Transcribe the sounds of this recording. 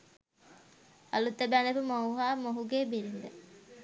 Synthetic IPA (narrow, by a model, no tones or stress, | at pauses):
a̰lut̪ːəbænepəmouɦaːmoɦuɡeːbiɾind̪ə